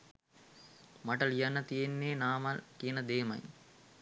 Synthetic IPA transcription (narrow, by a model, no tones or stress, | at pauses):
maʈəlijanːət̪ijenːeːnaːmalkijənəd̪eːmɐ̰j